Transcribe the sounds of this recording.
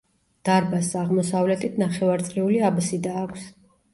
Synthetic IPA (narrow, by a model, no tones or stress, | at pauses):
d̪̥aɾbasaʁmɔsavlɛt̪ʰit̪ʰnaχɛvaɾt̪sʼliuliabsid̪aːkʷʰs